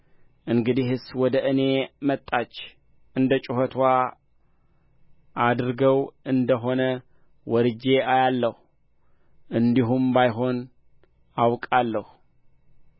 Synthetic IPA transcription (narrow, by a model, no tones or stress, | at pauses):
ʔɨŋɡɨd̪ihɨswɔd̪əʔɨne̞mət̪ʼːat͡ʃː | ʔɨnd̪ət͡ʃʼɪhɔt̪ʰwa | ʔad̪ɾɡəwʔɨnd̪əɦo̞nə | wɔɾɨd͡ʒe̞ajalːəhu | ʔɨnd̪iɦumbajɦo̞n | awkʼalːəhu